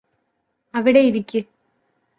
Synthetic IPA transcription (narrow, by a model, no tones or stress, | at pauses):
ɐʋiɽeiɾikʲːɨ